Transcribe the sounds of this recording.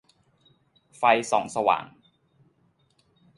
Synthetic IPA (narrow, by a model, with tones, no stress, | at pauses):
fa˧jsɔ̰˩˦ŋsa˧wa̰ː˨˩˦ŋ